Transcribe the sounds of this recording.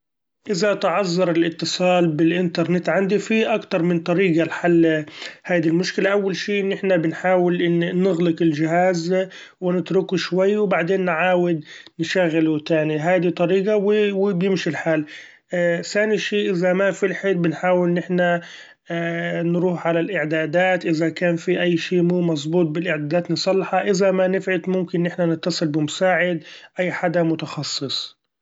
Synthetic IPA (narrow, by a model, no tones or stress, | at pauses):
ʔɪzat̪ʕɑzˤːɑɾˤɪlʔɪt̪ːɨsˤɑːlbɪlʔɪnt̪ɑɾˤnɪt̪ːʕand̪ifiʔakt̪ɑɾˤmɪnt̪ˤɑɾiːɡalħalːhaːd̪ilmʊʃkɪlaʔawːalʃiːʔɪnːɪħnabɪnħaːwɪlnɪɣlɪkɪld͡ʒɪɦaːz | wɪnɪt̪ɾʊkuʃwajːwbaʕd̪eːnːʕaːwɪd̪ | nʃaɣːɪlut̪aːniɦaːd̪it̪ˤːɑɾiːɡawɪwɪbjɪmʃilħaːl | saːniʃiːʔɪzamafilħeːlbɪnħaːwɪlnɪħna | nɾuːħʕalalʔɪʕd̪aːd̪aːt̪ʔɪzakaːnfiʔajːʃiːmuːmɑsˤbuːt̪̚ˤbɪlʔɪʕd̪aːd̪aːt̪nɪsˤɑlːħɑʔɪzamanɪfʕɪt̪mʊmkɪnːɪħnanɪt̪ːɑsˤɨlbɪmʊsaːʕɪd̪ʔajːħad̪amʊt̪ɑxɑsˤːɨsˤ